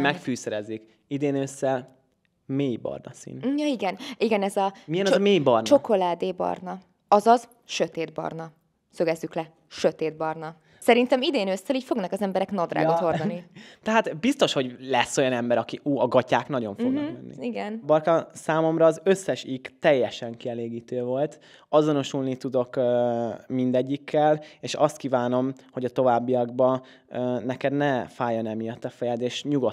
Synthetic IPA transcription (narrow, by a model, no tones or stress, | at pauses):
mɛkfyːsɛɾɛzik | id̪eːnøsːɛl | meːjbɒ̰rnɒ̰sḭnjɒiɡɛniɡɛnɛzɒmijɛnɒzɒmeːjbɒrnt͡ʃo̞ko̞laːd̪eːbɒ̰rnɒ | ɒzɒz | ʃø̞t̪eːd̪bɒ̰rnɒ | søɡɛzːyklɛ | ʃø̞t̪eːd̪̚bɒrnɒ | sɛɾint̪ɛmid̪eːnøsːɛliːcfo̞ɡnɒkɒzɛmbɛɾɛknɒd̪ra̰ːɡot̪ho̞rd̪ɒnit̪ɛɦaːt̪bist̪o̞ʃho̞ɟlɛsːo̞jɒnɛmbɛɾɒkiʔuːɒɡɒcaːkn̪ɒɟo̞ɱfoɡ̪mɛnːḭiɡɛnbɒrkɒsaːmo̞mɾɒːzø̞sːɛʃiɡt̪ɛjːɛʃɛŋkiɛleːɡiːt̪øːvo̞lt̪ | ɒzo̞no̞ʃulnit̪ud̪o̞kː | mind̪ɛɟːikːɛleːʃɒst̪̚kiːvaːno̞m | ho̞ɟɒt̪o̞vaːbːiɒɡ̚bɒ | nɛkɛd̪nɛfaːjonɛmijɒt̪ːɒfɛjɛd̪eːʃɲuɡo̞t̪